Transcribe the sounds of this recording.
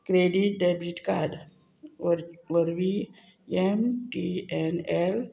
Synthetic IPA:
kɾeɖiʈ̚ɖebɾiʈkaɾɖ | ʋəɾʋi | emʈienel

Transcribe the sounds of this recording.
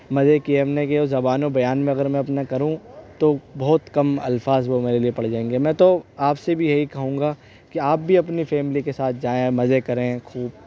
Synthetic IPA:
mɐzekiemnekeozɐbaːnobɐjaːnmẽɐɡəɾmɛ̃ɐpnakɐɾũt̪obɐɦɔt̪kɐmɐ̰lfaːzʋomeːɾeliepɐɽ̤d͡ʒaːẽːŋɡemɛ̃ːt̪oaːpsebʱijɐɦikɐɦũːŋɡa | kiaːp̚bʱiɐpnifɛːmɪlikesaːt̪̚ʰd͡ʒaːẽmɐzekɐɾẽkʰuːb̚

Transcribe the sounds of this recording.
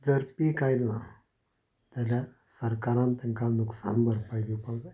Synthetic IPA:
d͡zəɾpikajlla | t̪aljasəɾkaɾãnt̪əŋkanuksa̰nbəɾpajd̪ipawd͡zaj

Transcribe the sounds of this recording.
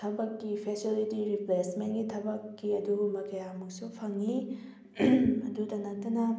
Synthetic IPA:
tʰɐbɐkːipʰesilitiɾiplesmenɡitʰɐbɐkːiɐduɡumɐkɐjamuk̚supʰɐŋːi | ɐdudɐnɐk̚tɐnɐ

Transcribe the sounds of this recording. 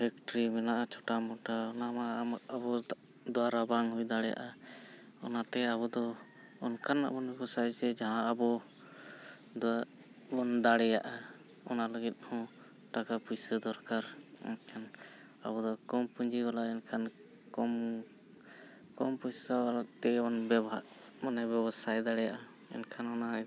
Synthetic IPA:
pʰɛk̚ʈɾimɛnaʔat͡ʃʰɔʈamɔʈaɔnamaaabɔ | d̪ɔwaɾabaŋɦujd̪aɽɛja̰ʔa | ɔ̰nat̪ɛaβɔd̪ɔ | ɔnkana̰bɔnɛkɔsajd͡ʒɛd͡ʒaaabɔ | d̪ | bɔnd̪aɽɛjaʔa | ɔnaləɡit̪̚hɔ̃ | ʈakapujsəd̪ɔɾkaɾɛ̰nkʰan | a̰bɔd̪ɔkɔmpuɲd͡ʒiɡalaɛnkʰan | kɔm | kɔmpujsabalat̪ɛɔnbɛbɦaʔ | manɛbɛbɔsajd̪aɽɛjaʔa | ɛ̰nkʰanɔnaɦ

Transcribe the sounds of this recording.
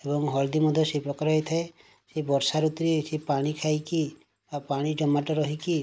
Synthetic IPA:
ebɔŋɦɔld̪imɔd̪ʱjɔsepɾɔkɔɾɦɔjt̪ʰae | sebɔɾsaɾut̪ɾisepaɽ̃ikʰajki | bapaɽ̃id͡ʒɔmaʈɔɾɔɦiki

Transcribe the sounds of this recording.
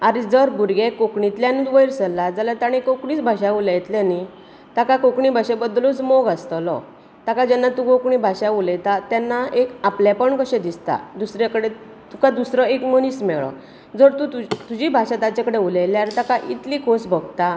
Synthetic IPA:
aɾid͡zəɾbuɾɡekokɳit̪ljãniʋəjɾsəlːad͡zalat̪aɽ̃ekokɳiːt͡sbʱaɕaulajt̪ljani | t̪akakokɳibʱaɕẽbəd̪lut͡smoɡast̪ɔlɔ̰ | t̪akad͡ʑɛnːat̪ũɡokɳĩbʱaɕauləjt̪at̪janːaekapljapəɳkəɕẽd̪ist̪a̰d̪usɾakəɽe | t̪ukad̪usɾɔekməniːsmɛɭɔ̰ | d͡zəɾt̪ũut̪ud͡ʑibʱaɕat̪at͡ɕãkəɽeulajleaɾit̪akaʔit̪likʰosbʱəɡt̪a

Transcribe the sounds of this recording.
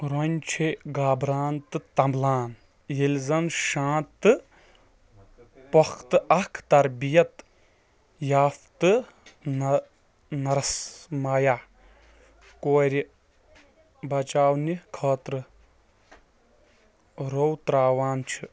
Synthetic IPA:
ɾonʲt͡ʃʰiɡaːbɾaːnt̪ɨt̪ɐmblaːn | jilʲzɐnʃãːt̪ːɨ | pɐxt̪ɨɐkʰt̪ɐɾbijɐt̪ | jaːft̪ɨ | n | nɐɾɐsmajaː | koːɾʲi | bɐt͡ʃaːwnikʰɐːt̪ɾɨ | ɾowt̪ɾaːwaːnt͡ʃʰi

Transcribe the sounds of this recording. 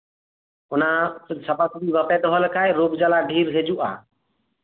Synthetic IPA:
ʊnaːsəpət̪diːʋəpɛːɗ̪ɔɦəlkʰaːjɾoːɡd͡ʒalaːɖʱiːɾɦed͡ʒuʔa̰ː

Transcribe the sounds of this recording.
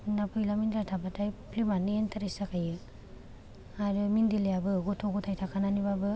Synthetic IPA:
napʰɯjlamindɾatʰabatʰajpʰlimanientʰaɾesakʰajɯ | aɾɯmindilejabɯɡutʰɔɡutʰajtʰakʰananibabɯ

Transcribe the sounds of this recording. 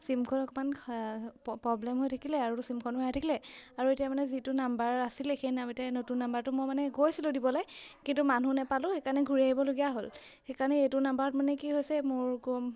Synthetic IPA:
simkʰɔnɔkɔman | pɹɔblɛmɦojtʰakʰilɛaɹusimkʰɔnmɔjatʰakʰilɛaɹuetijamanɛzitʊnambaɹasilɛxejnametanotunːambaɹtʊmojmanɛɡojsilʊ̃dibɔlajkintumanunɛpalʊ̃xekaɹɔnɛɡʱuɹiaɦibɔloɡijaɦol | xejkaɹɔnɛejtʊnambaɹɔtmanɛkiɦojsɛmʊɹkɔ

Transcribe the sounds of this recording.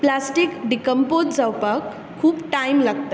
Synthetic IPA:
plasʈikɖikəmpod̪d͡zʌwpəkʰː | ubʈajmləɡ̚t̪

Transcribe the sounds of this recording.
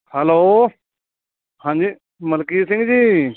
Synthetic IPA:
hɛloː | hãːɲd͡ʒiː | məlkiːsɪ̃ŋɡd͡ʑiː

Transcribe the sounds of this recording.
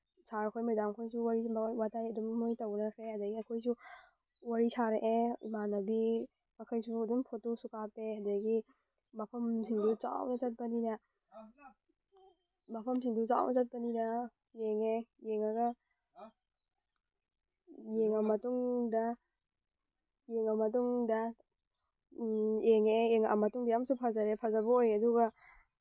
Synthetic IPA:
sʰaɾkʰojmɐjdamkʰojsuwaɾiwatʰajɐdummujtɐwnɐkʰɾehadɐɡiɐkʰojsu | waɾisʰaɾeʔeimanɐbi | mɐkʰɐjsuɐdumpʰotusukapehɐdɐɡi | mɐpʰɐmsiŋdut͡ʃa̰wnɐt͡ʃɐt̚pɐninɐ | mɐpʰɐmsiŋdut͡ʃa̰wnʔɐ̰sat̚pɐninɐ | jeŋejeŋaɡɐ | jeŋamɐtuŋdɐ | jeŋamɐt̬uŋdɐ | jeŋejeŋa̰mɐtuŋbijamsupʰazaɾepʰazabɐojɐduɡɐ

